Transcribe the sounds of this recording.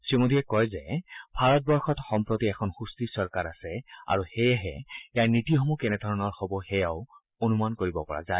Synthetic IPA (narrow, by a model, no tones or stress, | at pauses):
simodʱiɛkɔjzɛbʱaɹɔt̚bɔɹxɔtxɔmpɹotiɛkʰɔnxustisɔɹkaɹasɛa̰ɹuxejɛɦɛ̰ejaɹnɹitioxɔmukɛnɛd̪ʱɔɹɔnɔɹxɔbɔxɛjaʊ | onumankoɹibɔpɔɹa̰zaj